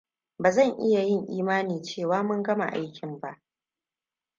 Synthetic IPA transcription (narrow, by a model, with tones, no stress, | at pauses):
baː˨zɐ˦˨ŋʔɪ˦ja˨jɪ˦˨ŋʔiː˦maː˦niː˨t͡ʃeː˦˨waː˦mʊ˦ŋɡɐ˦ma̰˨ʔa̰˦jkʲɪ˨mba˦ʔ